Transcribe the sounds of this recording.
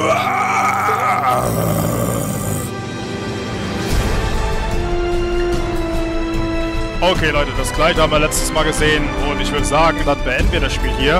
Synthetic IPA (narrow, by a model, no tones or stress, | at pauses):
ʔokʰeːlɔʏtəd̥asɡ̥laɪçhaːbmviːɐlɛt͡stəsmaːlɡəzeːən | ʊntɪçv̥ʏːɐɾəzaːɡŋ̩vat̚b̥əɛndn̩viːɐɾasʃpiːlɦiːɐ